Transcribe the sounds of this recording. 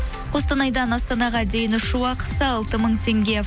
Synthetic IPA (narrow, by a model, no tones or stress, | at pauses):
qʰo̞st̪ɑnɑjd̪ɑnɑst̪ɑnɑʁɑd̪e̞jɪnʊʃɪwɑqə̥səɑlˠt̪əməɴt̪ʰe̞ŋɡʲe̞